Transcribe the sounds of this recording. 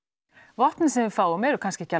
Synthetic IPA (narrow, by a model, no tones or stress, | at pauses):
vɔht̪nɪsɛnvɪfaːwʏmɛɾʏkʰanscɪɛcːa